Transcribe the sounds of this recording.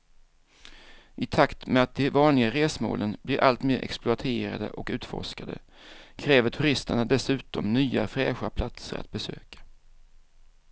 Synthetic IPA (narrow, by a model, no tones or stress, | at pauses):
ʔɪt̪ʰakt̪mɛat̪̚d̪ɛvɑːnlɪɡaɾeːsmo̰ːlənb̥lɪɾʔalt̪meːɾʔɛ̰ksplʊat̪ʰeːɾa̰d̪ə̰ʔɔkʉ̟ːt̪fɔ̰ʂkad̪ə̰ | kʰɾɛːvəʈʰɵɾɪst̪əɳad̪ɛsʉ̟ːt̪ɔmnyːafɾɛ̰ːɧapʰlat̪sə̰ɾa̰t̪̚bɛsø̰ːkḁ